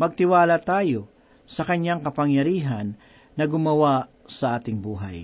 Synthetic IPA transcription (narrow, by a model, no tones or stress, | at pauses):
mɐɡ̚t̪ɪwaːlɐt̪aːjo | sɐkɐɲjaŋkɐpɐŋjɐɾiːɦɐnː | ɐɡʊmɐwa | sɐʔaːt̪ɪŋbuːɦa̰j